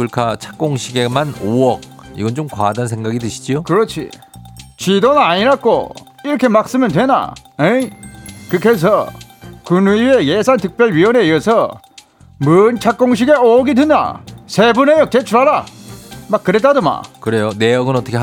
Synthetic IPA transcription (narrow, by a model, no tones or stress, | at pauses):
ɯɭkʰat͡ɕʰḁk̚k͈oŋɕʰiɡe̞manoʌk̚iɡʌnt͡ɕomkwadans̬ʰe̞ŋɡaɡidɯɕʰi̥d͡ʑiokɯɾʌt͡ɕʰḭ | t͡ɕidonaɲiɾak͈o̰ | iɾʌkʰe̞mak̚s͈ɯmɯndwe̞na̰e | kɯkʰes̬ʰʌ | kunue̞jesʰantɯk̚p͈jʌɭɥiwʌne̞iʌsʰʌ | mɯnt͡ɕʰak̚k͈oŋɕ̬ʰiɡe̞oʌɡidɯnda̰sʰebunejʌk̚t͈et͡ɕʰuɾaɾa | mak͈ːɯɾet͈adoma̰kɯɾe̞jone̞jʌɡɯnʌt͈ʌkʰe